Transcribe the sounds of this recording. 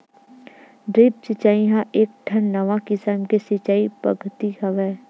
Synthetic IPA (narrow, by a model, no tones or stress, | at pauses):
ɖɾiːp̚t͡ʃɪt͡ʃaːiɦãʔeːk̚ʈʰənːəʋakɪsəmkesɪt͡ʃaːipɐ̰ɡʱt̪iɡɐʋɛː